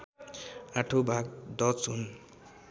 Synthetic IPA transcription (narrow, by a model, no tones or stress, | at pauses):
aʈʰobʱaɡd̪ʌt͡sɦun